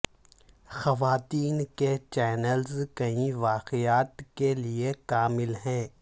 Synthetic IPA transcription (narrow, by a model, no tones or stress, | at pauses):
xɐʋaːt̪iːnket͡ʃɛːnəlzkɐĩʋaːqɪjaːt̪keliekaːmɪlɦɛ̃ː